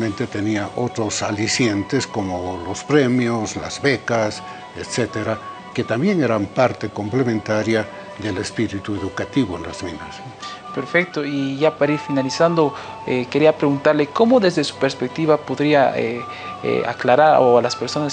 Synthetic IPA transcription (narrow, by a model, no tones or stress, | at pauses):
mẽnt̪e̞t̪e̞niaʔo̞t̪ɾo̞salisje̞nt̪esko̞molospɾemjozla̰zβe̞kas | et̪set̪eɾa | ke̞t̪ambje̞ŋe̞ɾampaɾt̪e̞ko̞mple̞mẽnt̪aɾja | ðe̞lespiɾit̪ueðukat̪iβoenlazminas | peɾfek̚t̪oiʝapaɾiɾfinalisand̪o | ekeɾiapɾeɣunt̪aɾleko̞moðe̞zðesu̥peɾspek̚t̪iβapoðɾiaḛ | a̰klaɾaɾoalaspeɾso̞nas